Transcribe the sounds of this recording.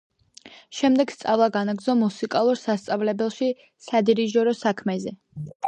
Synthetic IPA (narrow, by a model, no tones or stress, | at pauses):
ʃɛmd̪ɛɡ̥st̪sʼavlˠaɡanaɡd̪zɔmːusikʼalˠuɾsast̪sʼavlɛbɛlˠʃi | sad̪iɾiʒɔɾɔsakʰmɛzɛ